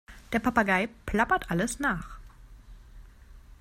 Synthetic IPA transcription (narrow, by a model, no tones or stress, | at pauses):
d̥eːɐpʰapaɡaɪpʰl̥apɐtʔaləsnaːχ